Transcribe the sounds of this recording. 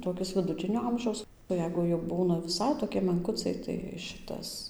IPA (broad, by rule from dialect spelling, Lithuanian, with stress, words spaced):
toːˈkʲɪs ʋʲɪdʊˈtʲɪnʲoː ˈɐmʲʒʲɛʊs oː ˈjɛɪɡʊ jɛʊ ˈbuːnɐ ʋʲɪˈsɐɪ toːˈkʲɪ mʲɛŋˈkʊt͡sɐɪ tɐɪ ˈʃʲɪtɐs